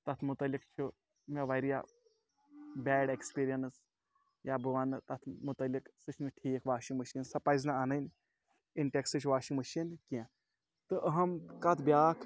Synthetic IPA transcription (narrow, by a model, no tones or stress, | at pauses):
t̪ɐt̪ʰmut̪ɐlʲːikt͡ʃʰu | mʲeʋaɾija̰ | bʲɛːɖekspiːɾijɐns | jaːbɨʋaːnɨt̪ɐt̪ʰmut̪ɐlːiksɨt͡ʃʰnɨʈʰiːkʋaːʃiŋɡmɐʃiːnsɐpajznaanɐnʲ | inʈeksɨt͡ʃʰʋaːʃiŋmɐʃiːnkiã | t̪ɨʔɐɦɐmkɐt̪ʰbjaːkʰ